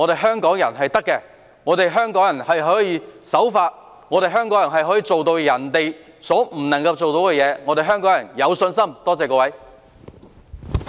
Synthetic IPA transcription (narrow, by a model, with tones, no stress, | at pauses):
ŋɔː˨˧t̪e˨jɦœː˥ŋkɔː˨˥ŋjɐ˨˩nɦɐ˨jt̪ɐ˥kːɛ˧ | ŋɔː˨˧t̪e˨jɦœː˥ŋkɔː˨˥ŋjɐ˨˩nhɐ˨jɦɔː˨˥jiː˧sɐ˨˥wfaː˧t̚ | ŋɔː˨˧ɾe˨jɦœː˥ŋkɔː˨˥ŋjɐ˨˩nɦɐ˨jɦɔː˨˥jiː˧t͡so˨wt̪o˧wjɐ˨˩nt̪e˨j | sɔː˨˥m̩˨˩nɐ˨˩ŋkɐ˧wt͡so˨wt̪o˨˥wkɛ˧jɛː˨˧ŋɔː˧t̪e˨jɦœː˥ŋkɔː˨˥ŋjɐ˨˩njɐ˨˧wsɵ˧nsɐ˥mt̪ɔː˥t͡sɛː˨˧kɔː˧wɐ˨˥j